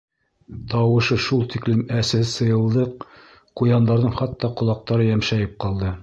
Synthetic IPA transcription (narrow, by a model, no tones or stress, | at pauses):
t̪ɑwɤ̆ʃɤʃulˠt̪iklɘmæsɘ̆hsɤ̆jɤ̆lˠd̪ɤq̚ | qujɑnd̪ɑɾðɤɴχɑt̪ːɑqŏlˠɑq̚t̪ɑɾɤjæmʃæjɘp̚qɑlˠd̪ɤ